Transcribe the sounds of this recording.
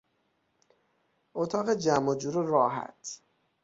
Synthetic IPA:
ʔot̪ʰɒːɣed͡ʒæmːod͡ʒuːɾoɾɒːɦæ̰t̪ʰ

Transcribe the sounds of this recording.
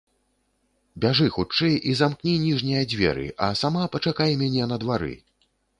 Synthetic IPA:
bʲaʐɨxut͡ʂɛjʔizamknʲinʲiʐnʲijɐd͡zʲvʲɛ̰ɾɨ̰ʔɐ̰samapɐt͡ʂakajɛmʲanʲɛnɐd̪vaɾɨ̰

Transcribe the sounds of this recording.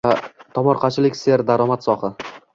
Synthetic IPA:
t̪ʰɒmɒɾqʰɑt͡ʃʰɪlɪkʲse̞ɾd̪aɾɒmat̪sɒχɪ

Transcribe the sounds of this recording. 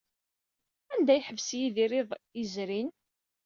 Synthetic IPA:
ænd̪æjħəvsjiðiɾɪðˤizɾin

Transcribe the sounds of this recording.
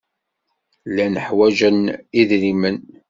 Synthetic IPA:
lænəħwæʒəniðɾimən

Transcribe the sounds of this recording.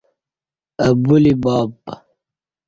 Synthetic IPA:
ɐbulibɑːpːa

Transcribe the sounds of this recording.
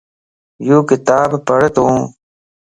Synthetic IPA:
juːkɪt̪aːbpəɽt̪õː

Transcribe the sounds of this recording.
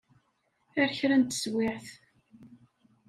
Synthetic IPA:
æɾçɾænt̪ːə̥swɪʕθ

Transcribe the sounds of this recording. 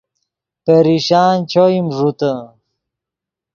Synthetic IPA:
peɾiɕaːnt͡ɕoimʐut̪ə

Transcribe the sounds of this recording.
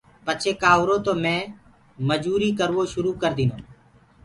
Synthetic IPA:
pət͡ʃʰeːkaːʊːɾoːt̪oːmɛ̃ː | məd͡ʒuːɾiːkəɾʋoːʃʊɾuːkəɾd̪iːnoː

